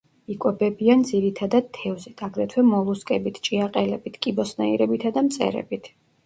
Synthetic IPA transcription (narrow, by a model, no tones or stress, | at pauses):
ikʼwɛbɛbiand̪ziɾit̪ʰad̪ad̪̚t̪ʰːɛvzɛd̪ʰaɡɾɛt̪ʰwɛmɔlˠuskʼɛbit̪ʰt͡ʃʼiaqʼɛlɛbit̪ʰkʼibɔsnaiɾɛbit̪ʰad̪amt̪sʼɛ̰ɾɛ̰bit̪ʰ